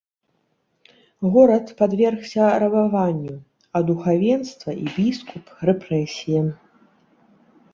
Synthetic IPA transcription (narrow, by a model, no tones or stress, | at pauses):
ɣɔɾɐt̪pad̪vʲɛrxsʲɐɾɐbavanʲːu | ɐd̪uxavʲɛnst̪vɐʔibʲiskuprɛpɾɛsʲijɐ